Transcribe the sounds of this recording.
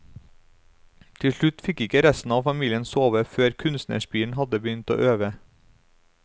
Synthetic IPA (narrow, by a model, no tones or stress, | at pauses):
t̪ʰɪʂɭʉt̪fɪkɪkəɾɛst̪n̩ɑːfɑmiːlɪənsoːʋəføːɾkʰʉnst̪nə̰ʃbiːɳ̩hɑd̪əbəʏnt̪o̰ːʔøːʋə